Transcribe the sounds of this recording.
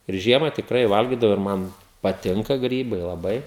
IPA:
ɪr ˈʒʲiɛmɐ tʲɪkˈrɐɪ ˈʋɐlʲɡʲɪdɐʋoː ɪr ˈmɐn pɐˈtʲɪŋkɐ ˈɡrʲiːbɐɪ lˠɐˈbɐɪ

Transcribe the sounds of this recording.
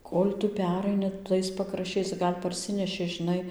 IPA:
ˈkoːlʲ ˈtʊ ˈpʲæːrɐɪnʲɪ ˈtɐɪs pɐkrɐʃʲˈt͡ʃʲɛɪs ˈɡɐlʲ pɐrʲˈsʲɪnʲɛʃʲɪ ʒʲɪˈnɐɪ

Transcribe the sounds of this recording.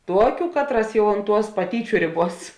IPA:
ˈtuɔkʲʊ ˈkɑːtˌrɐs ˈjɛʊ ʊnt ˈtuɔs pɐˈtʲiːt͡ʃʲʊ ˈrʲeːˌbuɔs

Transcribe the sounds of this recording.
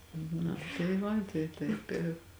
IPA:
nɐ tɐɪ ˈʋɐ tɐɪ ˈtɐɪp ɪ

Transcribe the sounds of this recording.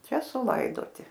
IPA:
ˈt͡ʃʲɛ sʊˈlˠɐɪdoːtʲɪ

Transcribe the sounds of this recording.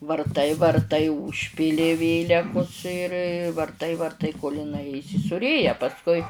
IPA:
ʋɐrˈtɐɪ ʋɐrˈtɐɪ ʊʃʲˈpʲiːlʲɪ ˈʋʲeːlʲɛkʊs ɪr ʋɐrˈtɐɪ ʋɐrˈtɐɪ koːlˠ ɪˈnɐɪ iːsʲɪsuːˈrʲeːjɛ pɐsˈkʊɪ

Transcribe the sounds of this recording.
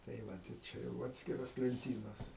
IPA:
tɐɪ ˈʋɐt ɪr ˈt͡ʃʲɛ jɛʊ ˈɑːtʲsʲkʲɪroːs lʲɛnʲˈtʲiːnoːs

